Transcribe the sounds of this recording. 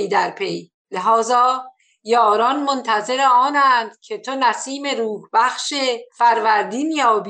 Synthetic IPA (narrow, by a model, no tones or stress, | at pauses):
d̪æɾpʰe̞j | leɦɒːzɒː | jɒːɾɒːnmont̪ʰæze̞ɾeɒːnæːnd̪̥cʰe̞t̪ʰo̞næsiːme̞ɾuːhbæxʃefæɾvæɾd̪iːnjɒːbi